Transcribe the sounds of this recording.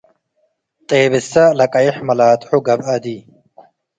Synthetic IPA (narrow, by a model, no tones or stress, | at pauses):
t̪ʼeːbɪsɐlɐkʼɐiħmɐlaːt̪ʼħuɡɐbɐd̪i